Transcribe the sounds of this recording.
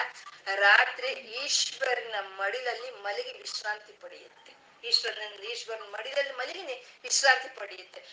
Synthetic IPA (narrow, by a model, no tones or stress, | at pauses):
ɾaːt̪ɾiiːʂʋɐɾinɐmɐɽid̪ɐlːimɐliɡeʋiʃɾaːnt̪ipɐɽɛ̰jɐ̰t̪ːe | iːʂʋɐɾinɐɐnd̪iːʂbɐɾinɐmɐɽid̪ɐlːimɐleɡeneʋiʃɾaːnt̪ipɐɽɛjɐt̪ːe